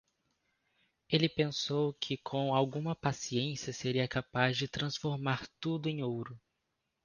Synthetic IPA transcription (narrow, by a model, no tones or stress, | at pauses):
elɪpẽsowkʰɪkʰõw̃awɡũmɐpasiẽsiɐseɾiɐkapazd͡ʒɪt̪ɾɐ̃sfoɾmaɾt̪ud̪ʊẽj̃owɾʊ